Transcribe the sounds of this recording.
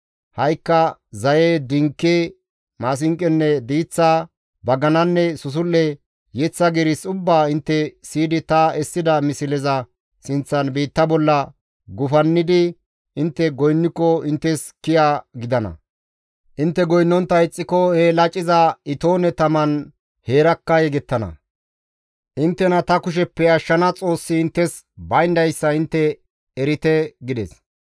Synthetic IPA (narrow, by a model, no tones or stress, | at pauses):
hɐjkːɐzɐjed̪ɪŋkːeː | maːs̬ɪŋkʼːɛnːɛd̪iːt͡sːaː | bɐɡɐnɐnːɛsʊs̬ʊlːɛ | jɛt͡sːɐɡɛɾɪsʊbːaːɪnt̪ːɛsiːd̪ɪt̪ɐɛsːɪd̪ɐmɪsɪlɛzɐ | sɪnt͡sːɐnbiːt̪ːɐbɔlːɐ | ɡʊfɐnːɪd̪ɪ | ʔɪnt̪ːɛɡɔjnːɪkːɔɪnt̪ːɛskɪjaɡɪd̪ɐnɐ̰ | ʔɪnt̪ːɛɡɔjnːɔnt̪ːɐɪt͡sʼːɪkɔhɛlɐt͡ʃʼɪzɐɪt̪oːnɛt̪ɐmɐn | he̞ːɾɐkːɐjɛɡɛt̪ːɐnɐ̰ | ʔɪnt̪ːɛnɐt̪ɐkʊʃ̬ɛpːɛɐʃːɐnɐt͡sʼo̞ːsːɪɪnt̪ːɛs | bɐjnd̪ɐjsːɐɪnt̪ːɛ | ɛɾɪt̪ɛɡɪd̪ɛs